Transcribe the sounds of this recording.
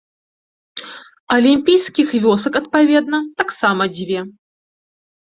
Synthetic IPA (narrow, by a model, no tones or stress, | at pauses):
ɐlʲimʲpʲijskʲixvʲɔsɐkɐt̪̚pavʲɛd̪̚nɐt̪aksamɐd͡zʲvʲɛ